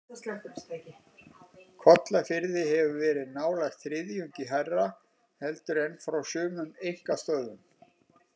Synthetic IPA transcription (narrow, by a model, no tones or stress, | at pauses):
st̪lɛt̪ʏpst̪aːcɪ | kʰɔt̪lafɪɾðɪɦɛvʏvɛːɾɪðnaːwlajxt̪θɾɪðjʏɲcɪɦɛrːa | hɛlt̪ʏɾejnfɾawsʏːmʏmejŋ̥kast̪œðʏm